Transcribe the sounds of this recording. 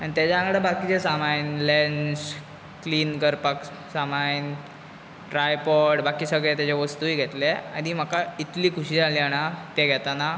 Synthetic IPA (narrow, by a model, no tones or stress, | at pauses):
aɽ̃it̪jat͡ɕaãŋɡɽabakit͡ɕesamajnlens | kliːnɡəɾpək | samajn | ʈɾajpɔɽbakiːsəɡɭɛt̪jat͡ɕeʋəst̪uɦiːɡʱɛt̪lea̰d̪iːm̤əkait̪liːkʰuɕiːd͡zaliaɽ̃at̪ɛɡʱɛt̪ana